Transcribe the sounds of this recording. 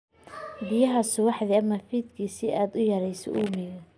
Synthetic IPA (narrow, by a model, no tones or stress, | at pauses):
bɪjɐɦɐsʊwɑħðɪɐmɐfiːd̪kʰiːsɪaːd̪ʊjɐɾɛjsɔ̰ʔuːmiɣɐ